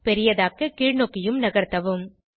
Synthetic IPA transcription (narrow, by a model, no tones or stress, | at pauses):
pɛɾɪjɐðaːkɯkiːɻnoːkːɪjɯmnɐɣɐɾt̪ːɐʋɯm